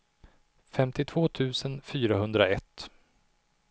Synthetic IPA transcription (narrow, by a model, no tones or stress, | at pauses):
fɛmt̪ɪt̪ʰv̥oːt̪ʰʉ̟ːsənfyːɾaɦɵnd̪ɾaɛt̪ː